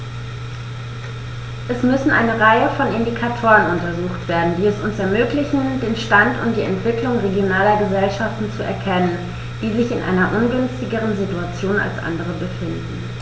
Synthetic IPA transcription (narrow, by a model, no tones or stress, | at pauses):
ʔɛsmʏsn̩ʔa̰ɪnəʁaɪəfɔnɪndikʰatʰoːʁənʊntɐzuːxtv̥eːɐdn̩diːɛsʊnsɛɐmøːklɪçn̩deːnʃtantʊntd̥iːɛ̰ntv̥ɪklʊŋʁeɡjonaːlɐɡəzɛlʃaftn̩t͡suʔɛ̰ɐkʰɛnən | d̥iːzɪçɪnʔa̰ɪnɐʔʊnɡʏnstɪɡəʁ̞ənzituat͡sjoːna̰lsʔa̰ndəʁ̞əbəfɪndn̩